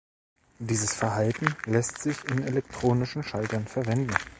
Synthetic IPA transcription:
d̥iːzəsfɛɐɦaltn̩lɛstz̥ɪçɪnelɛk̚tʁ̥oːnɪʃn̩ʃaltɐnfɛɐvɛndn̩

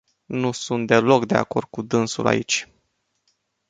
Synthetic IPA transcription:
nusunt̪̚d̪e̞lo̞kd̪e̞a̰ko̞rd̪̚kud̪ɨnsṵla̰it͡ʃʲ

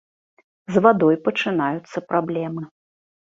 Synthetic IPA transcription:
zvad̪ɔjpɐt͡ʂɨnajut̪sːɐpɾablʲɛmɨ

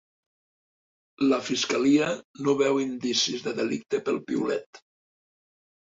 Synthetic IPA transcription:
ləfiskaliənoβɛwind̪isizðəðelḭk̚t̪epəlˠpḭṵlɛt̪

